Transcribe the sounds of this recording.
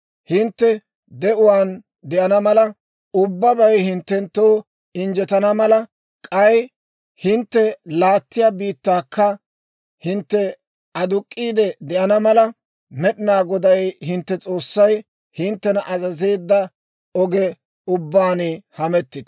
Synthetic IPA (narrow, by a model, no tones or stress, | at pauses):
hɪnt̪ːɛ | d̪ɛʔʊwaːn | d̪ɛʔɐnɐmɐlɐ | ʊbːɐbɐjhɪnt̪ːɛnt̪ːoː | ɪnd͡ʒɛt̪ɐnɐmɐlɐ | kʼɐj | hɪnt̪ːɛlaːt̪ːɪjaːbiːt̪ːaːkʰːɐ | hɪnt̪ːɛ | ɐd̪ʊkʼːiːd̪ɛd̪ɛʔɐnɐmɐlɐ | mɛɗɪnaːɡɔd̪ɐjhɪnt̪ːɛt͡sʼo̞ːsːɐj | hɪnt̪ːɛnɐʔɐzɐze̞ːd̪ːɐ | ɔɡɛ | ʊbːaːnhɐmɛt̪ːɪd̪̥ɐ